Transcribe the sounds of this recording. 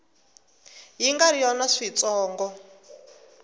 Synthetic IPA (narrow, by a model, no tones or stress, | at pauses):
ɦiŋɡaɾijɔnaʂit͡sʼɔːŋɡɔ